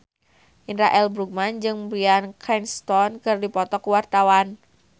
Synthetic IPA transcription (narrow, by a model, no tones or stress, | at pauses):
ʔinɾaʔɛlbɾuɡ̚mand͡ʒɨŋbɾiankʰɛnst̪ɔnkɨrdipɔt̪ɔkuwart̪awan